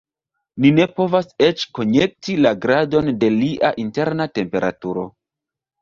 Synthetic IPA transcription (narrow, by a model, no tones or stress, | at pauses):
nine̞po̞vase̞t͡ʃko̞ɲe̞k̚tilaɡɾado̞nde̞liʔaʔinte̞ɾnate̞mpe̞ɾʔa̰tuɾo̞